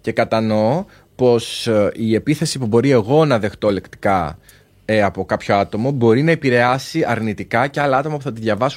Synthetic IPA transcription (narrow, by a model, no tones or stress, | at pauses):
ce̞kɐt̪ɐno̞ | po̞sie̞piθe̞sipubo̞ɾie̞ɣo̞nɐðe̞xt̪o̞le̞kt̪i̥kɐ | eɐpo̞kɐpço̞ɐt̪o̞mo̞bo̞ɾinɐepiɾe̞ɐsiʔɐɾnit̪ikɐceɐlɐɐt̪o̞mɐpuθɐt̪iðʝɐvɐs